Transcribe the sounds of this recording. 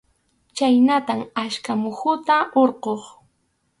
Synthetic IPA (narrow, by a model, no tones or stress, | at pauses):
t͡ʃajnat̪amaʃkamʊhʊt̪aoɾqoχ